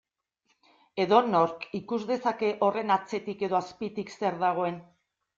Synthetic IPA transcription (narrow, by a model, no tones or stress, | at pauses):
e̞ðo̞no̞ɾkikuzðe̞sake̞ʔo̞re̞nat͡se̞t̪ike̞ðo̞aspit̪ikse̞ɾðaɣ̞o̞e̞n